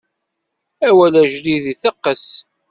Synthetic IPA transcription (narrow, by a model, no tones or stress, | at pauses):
æwælæʒliðiθəqːəs